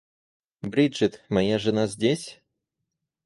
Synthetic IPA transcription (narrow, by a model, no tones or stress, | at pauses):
bɾʲiɨt̪mɐjaʐɨnazʲdʲesʲ